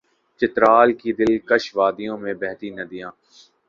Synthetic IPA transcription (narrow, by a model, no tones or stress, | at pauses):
t͡ʃɪt̪ɾaːlkid̪ɪlkɐʃʋaːd̪ijõmẽbɛɦt̪inɐd̪ijãː